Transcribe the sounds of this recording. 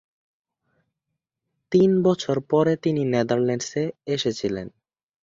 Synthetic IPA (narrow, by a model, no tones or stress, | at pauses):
t̪inbɔt͡ɕʰoɾpɔɾet̪inined̪aɾlɛɳɖseeʃet͡ɕʰilḛn